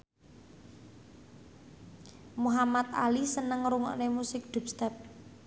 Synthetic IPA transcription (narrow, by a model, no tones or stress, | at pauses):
muɦamat̪̚a̰lisənəŋɾuŋɔ̰ʔnemusɪk̚ɖ̪̥ṳp̚st̪ɛp̚